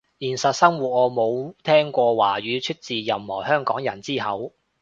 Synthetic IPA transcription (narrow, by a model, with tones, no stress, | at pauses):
jiː˨˩nsɐ˨t̚sɐ˥mwuː˨˩t̚ŋɔː˨˧mo˨˧wt̪ʰɛː˥ŋkʷɔː˧waː˨˩ɥyː˨˧t͡ʃʰɵ˥t̚t͡siː˨jɐ˨mhɔː˨˩hœː˥ŋkɔː˨˥ŋjɐ˨˩nt͡siː˥ɦɐ˨˥w